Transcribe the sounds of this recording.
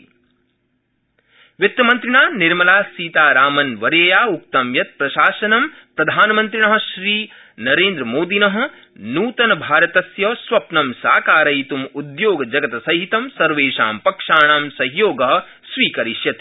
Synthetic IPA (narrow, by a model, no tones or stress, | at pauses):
ʋit̪jɐmɐ̃nt̪ɾiɳaːniɾmɐlaːsiːt̪aːɾaːmɐnʋɐɾeːjaːuk̚t̪ɐmjɐt̪̚pɾɐʃaːʃɐnɐmpɾɐd̪ʱaːnɐmɐnt̪ɾiɳɐɦɐ̆ʃɾiː | nɐɾeːnd̪ɾɐmoːd̪inɐɦɐ̆ | nuːt̪ɐnɐbʱaːɾɐt̪ɐsjɐsʋɐpnɐmsaːkaːɾɐjt̪umud̪joːɡɐd͡ʒɐɡɐt̪ɐsɐɦit̪ɐmsɐɾʋeːʃa̰ːmpɐkʂaːɳaːmsɐɦjoːɡɐɦɐ̆ | sʋiːkɐɾiʃjɐt̪